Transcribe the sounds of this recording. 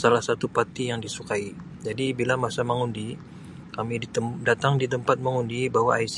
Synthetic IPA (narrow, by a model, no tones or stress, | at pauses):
salahsat̪upat̪ijaŋdisukai | d͡ʒadibilamasaməŋundi | kamidat̪aŋdit̪̬əmpat̪̚məŋundibaɦwaais